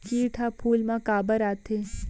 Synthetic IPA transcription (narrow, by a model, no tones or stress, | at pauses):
kiːʈʰapʰuːlmãkaːbəɾaːt̪eː